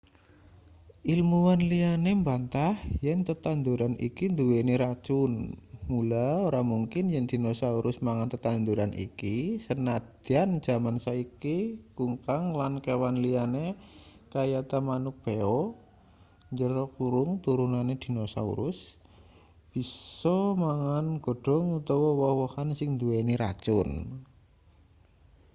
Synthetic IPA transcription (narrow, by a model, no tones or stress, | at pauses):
ʔilmuwanlianembant̪ahjɛnt̪ət̪and̪uɾanḭkind̪uweneɾat͡ʃʊnmulaoɾamuŋkɪnjɛnd̪̥i̤nosauɾʔʊsmaŋant̪ət̪and̪uɾanʔḭkisənad̪̥and͡ʒ̥a̤mansaikikuŋkaŋlankewanlianekajat̪amanʊk̚b̥eɔ | ɲd͡ʒəɾɔkuɾʊŋt̪uɾunaned̪̥i̤nosa̰ṵɾʊs | b̥i̤sɔmaŋanɡ̥o̤ɖ̥ɔ̤ŋut̪ɔwɔwɔhwɔhansɪŋnd̪ueniɾa̰t͡ʃʊn